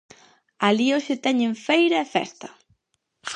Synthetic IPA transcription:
alioʃɪt̪ɛɲẽɱfejɾɐefɛ̰st̪ɐ

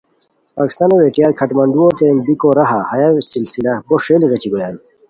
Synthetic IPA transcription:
paːki̥st̪aːnoweʈijaːɾkʰɐʈmɐɳɖuot̪enbikoɾɐɦahɐjasilsilɐboʂeliɣɐt͡ɕiɡojaːn

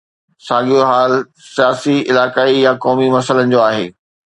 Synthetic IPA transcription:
sãːɠʱioɦaːl | sijaːsiɪlaːkaːijakɔːmimɐsələnɪ̆d͡ʑoːaːɦḛː

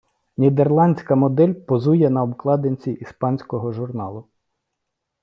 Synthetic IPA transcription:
nʲid̪erlˠɑnʲsʲkɐmɔd̪ɛlʲpɔzujɛnɐɔbklˠɑd̪enʲt͡sʲiʔispɑnʲsʲkɔɦɔʒʊrnɑlˠʊ

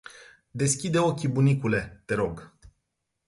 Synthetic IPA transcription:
d̪e̞skʲid̪e̞o̞kʲibunikule̞t̪e̞ɾo̞ɡ

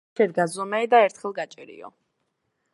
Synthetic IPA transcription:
ɛɾɡazɔmɛɛd̪aɛɾt̪ʰχɛlˠɡat͡ʃʼɛɾḭɔ̰

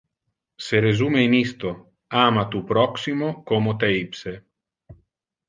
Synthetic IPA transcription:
seɾezuːmeinist̪o | aːmat̪upɾɔksimokomot̪eipse

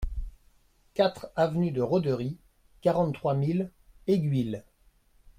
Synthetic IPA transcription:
kat̪χavnyd̪əʁɔd̪əʁi | kaʁɑ̃t̪t̪ːχwamileɡʲɥil

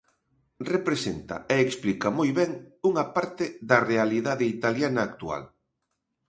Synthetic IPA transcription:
repɾesent̪ɐ̰eːksplikɐmojβɛŋuŋɐpaɾt̪ɪðɐrealiðaðɪit̪aljanɐːkt̪ua̰l

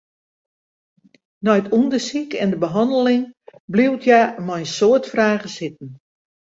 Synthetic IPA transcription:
nɔjtʰundəsikɛndəbəɦɑndəlɪŋbliwtʰjamɔjsoətfraːɣəsɪt̚n̩

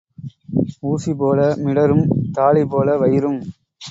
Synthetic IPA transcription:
uːsipoːlɐmɪɽɐɾɯmt̪aːɭipoːlɐʋɐjɪɾɯm

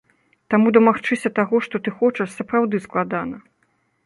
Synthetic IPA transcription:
t̪amud̪ɐmaxt͡ʂɨsʲɐt̪aɣɔʂt̪ɔt̪ɨxɔt͡ʂɐʂsɐpɾawd̪ɨsklˠad̪anɐ

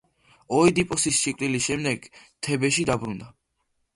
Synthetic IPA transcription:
ɔid̪ipʼɔsisʃikʼɾiliʃɛmd̪ɛɡt̪ʰɛbɛʃid̪abɾund̪a

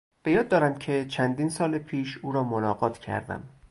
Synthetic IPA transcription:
b̥e̞jɒːd̪ːɒːɾæmcʰe̞t͡ʃʰænd̪iːnsɒːlepʰiːʃuːɾɒːmonɒːɢɒːt̪cʰæ̰ɾd̪æ̰m

